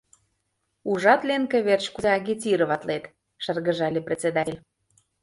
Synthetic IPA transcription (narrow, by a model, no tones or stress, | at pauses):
uʒɑt̪lʲenkĕβert͡ɕkuzeɑɣʲit̪ʲiɾɤ̆βɑt̪let̪ | ʃə̆rɣə̆ʒɑlʲeprʲet͡sed̪ɑelʲ